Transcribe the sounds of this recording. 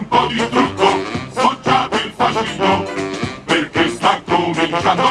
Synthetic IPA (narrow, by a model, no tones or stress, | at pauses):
mpɔd̪ist̪ɾut̪ːosot͡ʃːat̪elfaʃit̪opeɾkest̪akːomĩnt͡ʃand̪o